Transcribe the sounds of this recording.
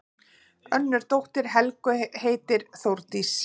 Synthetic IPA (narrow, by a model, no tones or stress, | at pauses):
œnːʏɾ̥t̪owht̪ɪɾ̥ɦɛlkʏheːjt̪ɪɾ̥θowɾt̪is